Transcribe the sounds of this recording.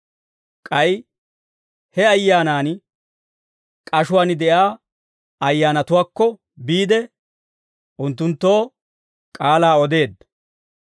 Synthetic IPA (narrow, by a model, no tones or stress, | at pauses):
kʼɐj | hɛɐjːaːnaːn | kʼɐʃʊwaːnd̪ɛʔaː | ɐjːaːnɐt̪ʊwaːkːɔ | biːd̪ɛ | ʔʊnt̪ːʊnt̪ːo̞ː | kʼaːlaːɔd̪e̞ːd̪ːɐ